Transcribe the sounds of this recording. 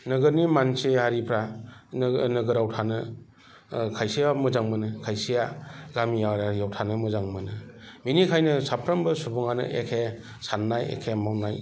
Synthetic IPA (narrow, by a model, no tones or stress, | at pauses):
nɯɡɯɾnimansehaɾipʰɾannɯɡɯɾawtʰanɯ | kʰajsijamɯzaŋmɯnɯkʰajsijaɡamijaɾajawtʰanɯmɯzaŋmɯnɯ | minikʰajnɯsapʰɾambɯsubuŋanɯ̰ʔekʰe | sanːajḛkʰemawnaj